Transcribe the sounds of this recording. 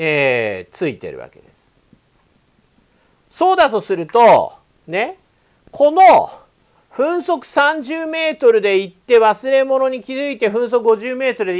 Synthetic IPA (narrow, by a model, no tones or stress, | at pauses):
eːt͡sɨit̪e̞̰ɾɯ̟βa̰ke̞d̪e̞sɨ̥ | so̞ːd̪at̪o̞sɨɾɯ̟t̪o̞ | ne̞ | kʰo̞no̞ | ɸɯ̟̃ɰ̃so̞kɯ̟̥sãɲ̟d͡ʑɨːme̞ːt̪o̞ɾɯ̟d̪e̞it̪ːe̞βasɨɾe̞mo̞no̞ɲ̟ikʲizɨit̪e̞ɸɯ̟̃ɰ̃so̞kɯɡo̞ʑɨːme̞ːt̪o̞ɾɯd̪